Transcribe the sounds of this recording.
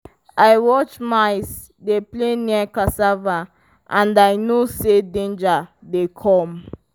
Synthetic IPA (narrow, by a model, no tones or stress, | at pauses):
ajwɔt͡ʃmajs | deplẽniakasava | ʔãndajnosedẽnd͡ʒadekʰɔ̃m